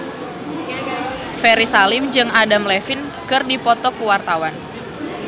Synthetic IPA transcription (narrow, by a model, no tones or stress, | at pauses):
fɛɾisalɪmd͡ʒɨŋadamlɛfɪn | kɨrdipɔt̪ɔkuwart̪awan